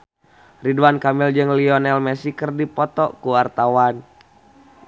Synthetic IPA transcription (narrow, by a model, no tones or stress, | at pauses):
riduankamild͡ʒɨŋliɔnɛlmɛsikərdipɔt̪ɔkuart̪awan